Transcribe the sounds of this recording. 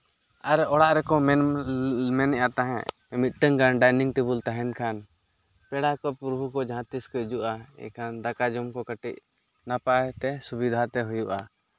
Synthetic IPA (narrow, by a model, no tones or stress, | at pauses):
aɾɛɔɽaʔɾɛkɔmɛnmɛnɛjat̪aɦɛ̰̃ | mit̪̚ˀʈəŋkanɖajniŋɡʈibult̪aɦɛnkʰan | pɛɽakɔpɾɔbʱukɔd͡ʒaɦãt̪iskɔd͡ʒuʔaɛ̰kʰand̪akad͡ʒɔmkɔkəʈiʔ̪̚ | napat̪ɛsubid̪ʱat̪ɛɦujuʔa